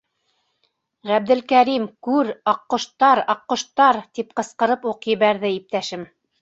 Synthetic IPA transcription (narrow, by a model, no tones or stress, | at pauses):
ʁæb̚d̪ɘ̆lkæɾimkʉɾɑqːŏʃt̪ɑɾɑqːŏʃt̪ɑɾt̪ip̚qɤ̆sqɤ̆ɾɤpuqjɘ̆βæɾðɘip̚t̪æʃɘm